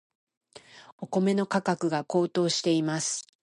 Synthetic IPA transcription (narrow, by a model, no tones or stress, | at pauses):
o̞ko̞me̞no̞kakakɯ̟ɡako̞ːt̪o̞ːɕi̥t̪e̞imasɨ̥